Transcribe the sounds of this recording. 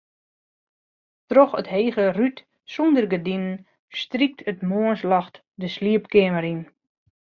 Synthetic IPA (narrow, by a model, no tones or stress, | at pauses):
trɔxətheːɣəryt | sundərɡədimən | strik̚tʰətmoənslɑxt | dəsliəpkɪəməɾin